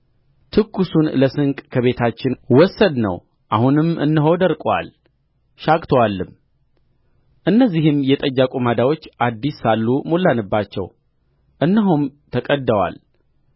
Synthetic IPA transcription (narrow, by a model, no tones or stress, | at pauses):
t̪ʰɨkːusunləsɨŋkʼkʰəβe̞t̪ʰat͡ʃːɪnwɔsːəd̪nə̰w | ʔahunɨmɨ̰nːəɦowd̪əɾkʼwa̰l | ʃakʼt̪ʰowalːɨm | ʔɨnːəzːihɨmjɛt̪ʼəjːakʼumad̪awo̞t͡ʃːad̪ːisːalːumo̞lːanɨbːat͡ʃːɛ̰w | ʔɨnːɨɦomt̪ʰəkʼəd̪ːəwa̰l